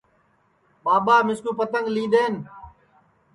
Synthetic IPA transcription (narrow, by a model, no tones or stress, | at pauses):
ɓaːbaːmɪskuːpət̪əŋɡlĩːɗ̪eːn